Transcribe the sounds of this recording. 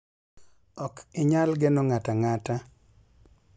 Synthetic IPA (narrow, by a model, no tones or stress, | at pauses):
ɔkɪɲalɡenoŋataŋata